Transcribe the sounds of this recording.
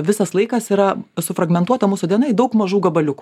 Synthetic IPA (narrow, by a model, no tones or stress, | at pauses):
ʋʲɪsɐslˠɐɪkɐsiːɾɐsʊfɾɐɡmʲɛnt̪uɔt̪ɐmuːsʊd̪ʲiɛnɐɪd̪ɐʊkmɐʒuːɡɐbɐlʲʊku